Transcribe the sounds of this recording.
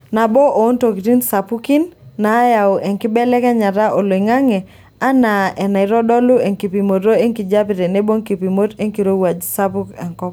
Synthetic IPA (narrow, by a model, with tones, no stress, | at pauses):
na˨bɔ˦ʔo˨o˦nto˨ki˨ti˦nsa˨pu˦ki˦nːa˨˦ja˨o˨ʔɛ˨ŋkɪ˦bɛ˦lɛ˦kɛ˦ɲa˨ɾa˦ʔo˨lo˨i˨ŋa˦ŋɛ˨ | a˦na˨ʔɛ˨na˨ɪ˨ɾɔ˦dɔ˦lʊ˦e˨ŋki˨pi˨mo˨tɾo˦e˦ŋki˨d͡ʒa˦pɪ˨ɾɛ˨ne˦bo˦ŋki˨pi˨mo˦te˦ŋki˨ɾo˦wa˨d͡ʒsa˦pu˦kɛ˨ŋkɔ˦p